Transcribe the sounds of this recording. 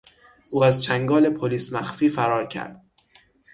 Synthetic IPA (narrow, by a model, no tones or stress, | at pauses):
ʔuːæzt͡ʃʰæŋɡɒːle̞pʰoliːsmæxfiːfæɾɒːɾcʰæ̰ɾd̪̥̚